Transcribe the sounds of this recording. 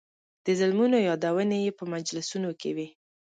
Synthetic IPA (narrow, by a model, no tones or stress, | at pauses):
d̪̥əzalmunojɑd̪awənejepəmad͡ʒlɪsunokewi